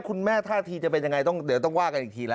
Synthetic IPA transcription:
kʰu˧nmɛː˥˩t̪ʰaː˥˩t̪ʰiː˧t͡ɕa˨˩p̬e˧nja˧ŋa˧jt̪ɔ˥˩ŋd̪i˨˩˦t̪ɔ˥˩ŋwaː˥˩ka˧nʔi˨˩t̪ʰiː˧lɛː˦

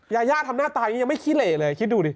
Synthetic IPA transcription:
jaː˧jaː˥˩t̪ʰa˧mnaː˥˩t̪aː˧ja˧ŋma˥˩jkʰi˦˥t̪̚leː˨˩lɤː˧jkʰi˦˥t̪̚duː˧diː˧˩

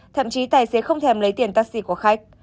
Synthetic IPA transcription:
t̪ʰə̰˧˨mt͡ɕi˨˦t̪aː˨˩jse˨˦xə˧wŋ͡mt̪ʰɛ˧˩mlə˨˦jt̪i˧˩ənt̪aː˧˥k̚sḭ˧˩ku˧˩əxa˦˥jk̚

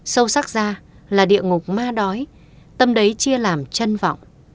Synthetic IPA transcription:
sə˧wsa˦˥k̚zaː˧ | laː˨˩ɗḭ˧˨əŋʊ˨˩k͡p̚maː˧ɗɔ˨˦j | t̪ə˧mɗə˨˦jt͡ɕi˧əlaː˨˩mt͡ɕə˧nva̰˧˨wŋ͡m

